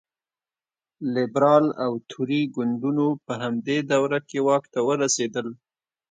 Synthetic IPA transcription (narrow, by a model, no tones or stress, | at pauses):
lɪbɾɑlawt̪ʰuɾiɡʊɳɖunopəɦamd̪ed̪awɾakewɑkt̪awəɾased̪əl